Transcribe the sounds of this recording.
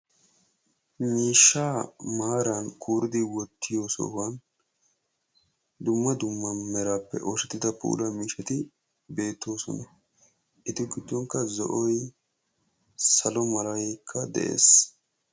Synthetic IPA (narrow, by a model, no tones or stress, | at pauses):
miːʃːaːmaːɾɐnkʰuːɾɪd̪ɪwɔt̪ːɪjo̞ːsɔ̰wɐn | d̪ʊmːɐd̪ʊmːɐmɛɾaːpːɛ̰ʔɔʃɛt̪ːɪd̪ɐpṵːlɐmiːʃɐt̪ɪ | be̞ːt̪ːo̞ːsɔ̰nɐ | ʔɪt̪ɪɡɪd̪ːɔŋkːɐzɔ̰ʔɔj | sɐlɔmɐlɐjɛkʰːɐd̪ɛ̰ʔḛːs